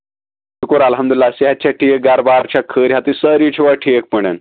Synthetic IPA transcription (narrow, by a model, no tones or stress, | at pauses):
ukoɾalɦəmd̪ulilːaseɦat̪̚ːt͡ɕaʈʰieɡaɾbaɾt͡ɕakʰəːɾɦat̪isəɾit͡ɕʰiʋaʈʰiek̚pəɽ̃ə̰n